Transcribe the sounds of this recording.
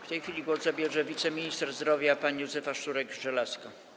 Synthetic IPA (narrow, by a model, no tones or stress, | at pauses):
ft̪ɛjxʲfʲilʲiɡwɔzzabʲjɛʐɛvʲit̪sɛmʲiɲist̪ɛɾzd̪ɾɔvʲjapaɲijuzɛfaʂt̪uɾɛɡʐɛlaska